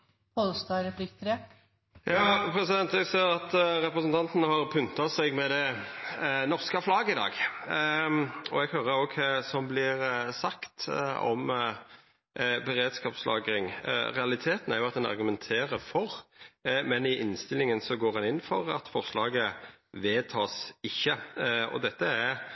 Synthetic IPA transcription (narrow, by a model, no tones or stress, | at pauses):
pɔlst̪ɑɾɛpʰlɪkt̪ʰɾe | jɑːpʰɾɛsɪd̪ɛnt̪ɛɡseːɾɑt̪ɾɛpɾəsənt̪ɑnt̪ənəhɑɾpʰʉnt̪ɑsɛɡmɛd̪ɛ | nɔʁskəflɑːɡəɪd̪ɑ̰ːɡ | ɔɛɡhøːɾəɾoːɡsɔmblɪʁsɑkt̪ɔ̰m | bɛɾeːd̪skɑːpslɑ̰ːɡɾɪŋɾɛɑlɪt̪ʰeːt̪n̩æɾjʊɑt̪̚d̪ɛnɑ̰ɾɡʉmɛnt̪ʰeːɾəfɔɾ | mɛnɪʔɪnst̪ɪlɪŋənsɔɡoːɾɑnɪnːfɔɾɑ̰t̪fɔʁslɑːɡəʋeːt̪ʰɑːsɪçːəɔ̰d̪ɛt̪ːəæɾ